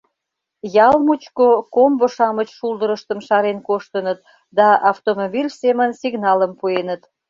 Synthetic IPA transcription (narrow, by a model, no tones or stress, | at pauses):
jɑlmut͡ɕkokomboʃɑmət͡ɕʃuld̪əɾəʃt̪əmʃɑɾenkoʃt̪ənət̪̚ | d̪ɑɑft̪omobilʲsemənsiɣnɑləmpuenət̪